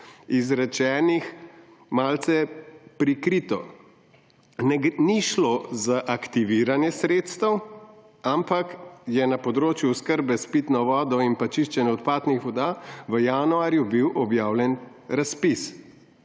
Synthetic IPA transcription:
izɾɛt͡ʃɛːnix | maːlt̪sɛpɾikɾiːt̪ɔ̰ | niʃlozaʔakt̪iʋiːɾanjɛsɾeːt̪st̪əw | ampakjɛnapɔd̪ɾoːt͡ʃjuskəɾbɛspit̪nɔʋɔːd̪ɔinpat͡ʃiʃt͡ʃɛnjɛɔt̪paːt̪nixʋɔd̪aʋəjanuaːɾjubiwʔɔbjaːwlʲɛn | ɾaspis

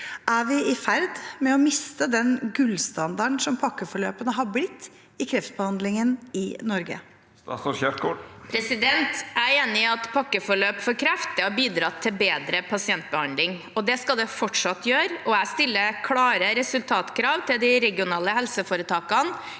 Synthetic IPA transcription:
ʔæʋɪɪfæɾd̪mɛɔmɪst̪əd̪ɛnɡʉlːst̪ɑnd̪ɑɳsɔmpʰɑkːəfɔɭøːpənəɦɑblɪt̪ː | ɪkʰɾɛft̪̚bəhɑnd̪lɪŋənɪnɔɾɡə̰ | çɛkopʰɾɛsɪd̪ɛnt̪æeːnɪɑt̪pʰɑkːəfɔɭøːpfɔɾkʰɾɛft̪ɪɔbiːd̪ɾɑt̪ʰːɪlbeːd̪ɾəpʰɑsɪɛnt̪̚bəhɑnd̪lɪŋ | ɔd̪ɛskɑld̪ɛfɔʈʂɑt̪ːjøːɾɔæɪst̪ɪlːəkʰlɑːɾəɾɛsʉlt̪ʰɑːt̪kʰɾɑːʋt̪ʰɪld̪ɪɾɛɡɪʊnɑːləhɛlsəfoːɾət̪ʰɑːkɑn

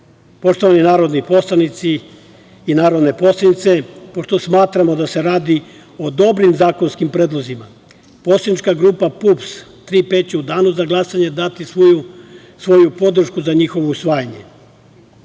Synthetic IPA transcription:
po̞ʃt̪o̞ʋaninaːɾo̞d̪nipo̞slˠanit̪siː | naːɾo̞d̪ne̞po̞slˠad̪nit̪se̞po̞ʃt̪o̞smaːt̪ɾamo̞d̪ase̞ɾaːd̪i | o̞d̪o̞bɾimzaːko̞nskimpɾeːd̪lˠozima | po̞slad̪nit͡ʃkaɡɾuːpapupst̪ɾiːpet̪t͡ɕeud̪aːnuzaɡlˠasaɲe̞d̪at̪is | sʋo̞jupo̞d̪ɾ̩ʃkuzaɲixo̞ʋousʋaːjaɲe̞̰

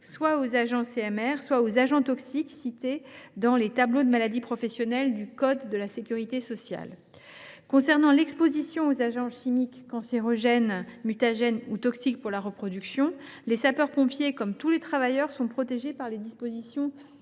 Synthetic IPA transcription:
swaozaʒɑ̃seɛmɛʁswaozaʒɑ̃t̪ɔksiksit̪ed̪ɑ̃let̪ablod̪əmalad̪ipχɔfɛsjɔnɛld̪ykɔd̪ːəlasekʲyʁit̪esɔsja̰l | kɔ̃sɛʁnɑ̃lɛkspozisjɔ̃ozaʒɑ̃ʃimikːɑ̃seʁɔʒɛnmyt̪aʒɛnut̪ɔksik̚puʁlaʁəpχɔd̪yksjɔ̃lesapœʁpɔ̃pjekɔmt̪ulet̪χavajœʁsɔ̃pχɔt̪eʒepaʁled̪ispozisjɔ̃

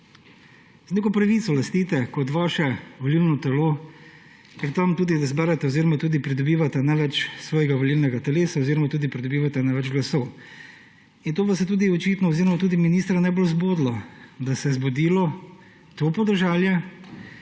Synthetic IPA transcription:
zneːk̬ɔpɾɐʋiːt̪sɔlɐst̪iːt̪ɛkɔt̪ʋaːʃɛʋoliːlnɔt̪ɛloː | kɾit̪ɐmt̪uːd̪id̪ɐzbɛːɾɛt̪ɛoziːɾɔmat̪uːd̪ipɾid̪ɔbiːʋat̪ɛnaʋɛt͡ʃsʋɔːjɛɡaʋoliːlnɛɡat̪ɛleːsaoziːɾɔmat̪uːd̪ipɾid̪ɔbiːʋat̪ɛnaʋɛd͡ʒɡlɐsɔw | int̪oːʋɐsɛt̪uːd̪iɔt͡ʃiːt̪nɔoziːɾɔmat̪uːd̪iminiːst̪ɾanɛbolzboːd̪lɔd̪asɛzbɔd̪iːlɔ | t̪opɔd̪əɾʒaːljɛ

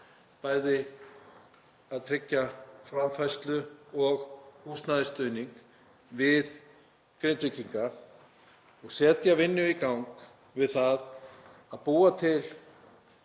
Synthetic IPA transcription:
paːjðɪ | aðt̪ʰɾɪcːafɾamfajst̪lʏɔɣhust̪naðɪst̪œɥniŋk | vɪð | kɾejnt̪vɪciŋka | ɔɣsɛːt̪javɪnːʏikawŋk | vɪðθaðaðpuːat̪ʰɪl

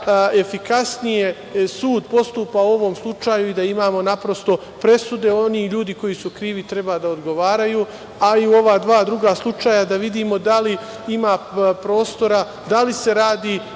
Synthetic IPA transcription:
e̞fikasnije̞ | suːd̪po̞st̪uːpauo̞ʋo̞mslˠut͡ʃaːjuid̪aimaːmo̞napɾo̞st̪o̞ | pɾe̞sud̪e̞o̞niʎuːd̪iko̞jisukɾiːʋit̪ɾe̞baːd̪aod̪ɡo̞ʋaːɾajuː | aiuo̞ʋad̪ʋaːd̪ɾuɡaslˠut͡ʃaːjad̪aʋid̪iːmo̞d̪ali | imaːpɾo̞ːst̪o̞ɾa | d̪alise̞ɾaːd̪iː

